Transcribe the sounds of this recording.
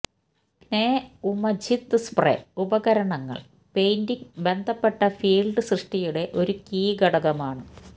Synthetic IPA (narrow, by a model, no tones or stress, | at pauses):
neːumɐd͡ʑit̪ːɨsprḛubɐɣɐɾɐɳɐŋːɐ̰ɭ | pe̞jndiŋbe̞nd̪ʱɐpːe̞ʈːɐfiːlɖɨsrɨʂʈijuɽe̞ʔo̞ɾukiːɡɐɽɐɣɐmaːɳɨ